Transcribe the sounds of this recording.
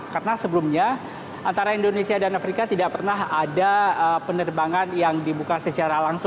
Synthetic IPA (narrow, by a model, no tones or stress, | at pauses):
karnasəbəlumɲa | ʔant̪aɾaindonesiadanafɾikat̪idaʔpərnaɦadaəpənərbaŋanjaŋdibukasət͡ʃaɾalaŋsʊ